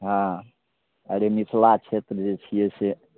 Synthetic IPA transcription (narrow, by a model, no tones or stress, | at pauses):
ɦã | əɾemit̪ʰlat͡ʃʰet̪ɾəd͡ʒet͡ʃʰijɛse